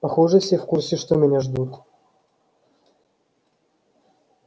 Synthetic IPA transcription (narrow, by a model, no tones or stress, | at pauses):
pɐxoʐɨfsʲefkursʲɪʂt̪omʲɪnʲaʐd̪ut̪